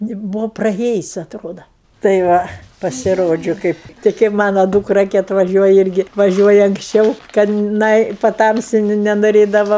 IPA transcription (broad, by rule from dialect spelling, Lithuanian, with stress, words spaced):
nʲɪ ˈbuːʋoː prɐˈeːjʊsʲ ɐtˈroːdɐ tɐɪ ˈʋɐ pɐsʲɪˈroːd͡ʒʲʊ ˈkɐɪp tɐɪ kɐɪp ˈmɑːnoː ˈduːkrɐ kʲɪ ɐtʋɐˈʒʲuɔjɛ ˈɪrʲɡʲɪ ʋɐˈʒʲuɔjɛ ɐŋksʲˈt͡ʃʲɛʊ kɐt ˈnɐɪ pɐˈtɐmʲsʲɪ nʲɛnoːˈrʲeːdɐʋɐ